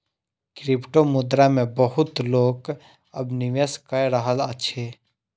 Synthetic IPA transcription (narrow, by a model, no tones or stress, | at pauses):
kɾɪpʈomʊd̪ɾamẽbəɦʊt̪loːɡ | əbnɪʋeskəɾəɦələtːʃʰeː